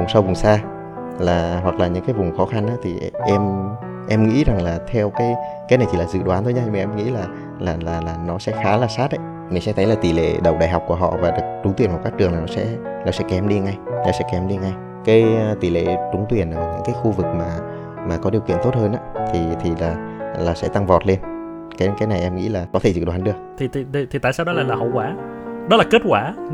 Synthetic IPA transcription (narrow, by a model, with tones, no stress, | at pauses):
vʊ˨˩ŋ͡msa˧wvʊ˨˩ŋ͡msaː˧ | laː˨˩ɦwa˨˩k̚laː˨˩ɲɨ̰˧˥ŋkaː˨˦jvʊ˨˩ŋ͡mxɔ˨˦xa˧nʔaː˨˦˥t̪ʰi˨˩ʔɛ˧m | ʔɛ˧mŋḭ˧˥za˨˩ŋlaː˨˩t̪ʰɛ˧wkaː˨˦jkaː˨˦na˨˩jt̪i˨aː˨˩zɨ̰˧˨ɗwaː˨˦nt̪ʰo˧ɲa˧ɲ˧maː˨˩ʔɛ˧mŋḭ˧˥laː˨˩ | laː˨˩laː˨˩laː˨˩nɔ˨˦sɛ̰˧˥xaː˨˦laː˨˩saː˦˥t̚ʔə̰˧˦j | mï˨˩ŋsɛ̰˧˥t̪ʰə˨˦jlaː˨˩t̪i˨˩lḛ˧˨ɗə˨˩w̚ɗa̰ː˧˨jɦa˨˩wk͡p̚ku˧˩əɦɔ̰˧˨vaː˨˩˨t͡ɕʊ˨˦t̪wi˨˩ənka˨˩kaː˦˥k̚t͡ɕɨ˨˩əŋlaː˨˩nɔ˨˦sɛ̰˧˥nɔ˨˦sɛ̰˧˥kɛ˨˦mɗi˧ŋa˧jnɔ˨˦sɛ̰˧˥kɛ˨˧˦mɗi˧ŋa˧j | kaː˨˦jt̪i˨˩lḛ˧˨t͡ɕʊ˨˦ŋ͡mt̪wi˨˩ənʔəː˨˩ɲḭ˧˥ŋkaː˨˦jxu˧vɨ˨˩k̚maː˨˩ | maː˨˩kɔ˨˦ɗi˨˩əwkḭ˧ənt̪o˦˥t̚həː˧nʔaː˨˦t̪ʰi˨˩t̪ʰi˨˩laː˨˩laː˨˩sɛ̰˧˥t̪a˧ŋvɔ˨˩t̚le˧n | kaː˨˦kaː˨˦jna˨˩jʔɛ˧mŋḭ˧˥laː˨˩kɔ˨˦t̪ʰe˧˩t͡ɕɨ̰˨˧˩ɗwa˨˦nɗɨ˨˩ək̚t̪ʰi˨˩t̪i˨˩˨t̪ʰi˨t̪a̰˧˨saː˧wɗɔ˨˦laː˨˩laː˨˩hə̰˧˨wkwaː˨˦ | ɗɔ˨˦laː˨˩ke˦˥t̚kwaː˧˩